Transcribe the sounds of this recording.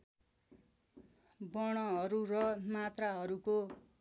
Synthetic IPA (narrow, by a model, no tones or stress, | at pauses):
bʌɽ̃ʌɦʌɾurʌmat̪raɦʌɾuko